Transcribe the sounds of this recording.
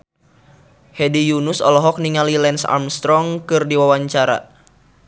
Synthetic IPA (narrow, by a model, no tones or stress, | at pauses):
hɛdijunusɔ̰lɔɦɔk̚niŋalilɛnsa̰rmst̪ɾɔŋkɨrdiwawaɲt͡ʃaɾa̰